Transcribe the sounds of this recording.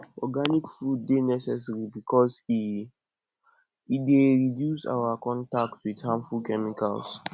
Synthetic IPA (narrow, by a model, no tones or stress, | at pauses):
ɔɡanikfɹudːenɛsɛs̬ɹibikʰɔs | ideɹidjusa̰wakɔ̃ntak̚twidhãmfud̚kɛmika̰ls